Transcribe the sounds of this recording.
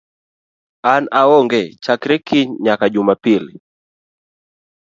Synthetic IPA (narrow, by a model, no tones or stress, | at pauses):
anaɔŋɡɛt͡ʃakɾɛkiɲakaʄumapili